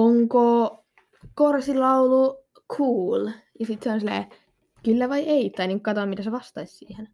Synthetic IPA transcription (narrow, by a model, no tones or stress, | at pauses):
oŋko | korsilɑulu | kʰuːljɑsit̪seonsilːḛː | kylːæʋɑjʔeit̪ːɑiniːŋkkɑt̪oɑːmmit̪æseʋɑst̪ɑissḭːhen